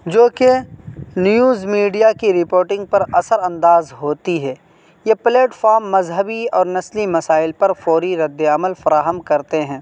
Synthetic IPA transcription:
d͡ʒoːkenjuːzmiːɖijakiɾɪpoːɾʈɪ̃ŋɡ̚pɐɾɐsəɾɐ̃nd̪aːzɦoːt̪iɦɛː | jepleːʈfaːɾmːɐzɦəbiɔːɾnɐslimɐsaːɪlpɐɾfɔːɾiɾɐd̪ːeəməlfɐɾaːɦəmkɐɾt̪eɦɛ̃ː

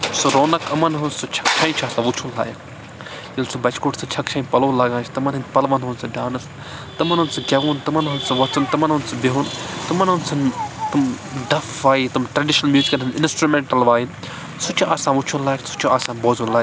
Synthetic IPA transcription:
suɾoːnɐkɐmɐnɦunsut͡ʃʰɐ̥kt͡ʃʰɐ̃ĩt͡ʃʰaːsãʋut͡ʃʰunla̰ːj | jilsubɐt͡ʃkoːʈsʰɨt͡ʃʰɐkt͡ʃʰɐ̃ĩpɐloːlaːɡãːnt͡ʃʰt̪ɐmɐnɦɨnʲpɐlʋɐnɦunsɨɖaːnɨs | t̪ɐmɐnɦunsɨd͡ʒʲɐʋuːnt̪ɨmɐnɦunsɐʋɐt͡sunt̪ɨmɐnɦunsɐbiɦunt̪ɐmɐnɦunsɐnt̪ɨmɖɐfʋaːjit̪umʈɾɐɖiʃnɐlmjuːzikɐlɦɨninsʈɾumeɳʈɐlʋaːjin | sut͡ʃʰuʔaːsãːʋut͡ʃʰunlaːjksu̥t͡ʃʰuaːsãːnboːzunlaːj

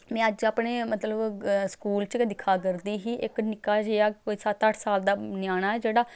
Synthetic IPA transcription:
mɛ̃ːəd͡ʒaːpɳeːmət̪ləbskuːlt͡ʃd̪ɪkʰaːɡəɾd̪iːɦiːʔɪknɪkaːd͡ʒeaːkoːiːsat̪əʈsaːld̪aːnjaːnaːɛːd͡ʒeːɽaː

